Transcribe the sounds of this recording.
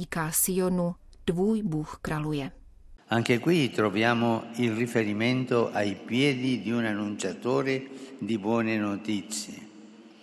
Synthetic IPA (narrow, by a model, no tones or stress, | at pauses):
ikaːsionu | d̥vuːjbuxkɾalujɛ | aŋkekwit̪ɾovjaːmoilrifeɾiment̪oʔajpjɛːd̪id̪iunanːunt͡ʃat̪oːɾed̪ibwɔːnenot̪it̪sjḛ